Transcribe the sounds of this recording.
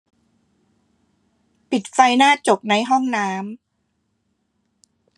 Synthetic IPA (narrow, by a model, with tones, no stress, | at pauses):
pi˨˩t̪̚fa˧jnaː˥˩t͡ɕo˨˩p̚na˧jɦɔ˥˩ŋnaː˦˥m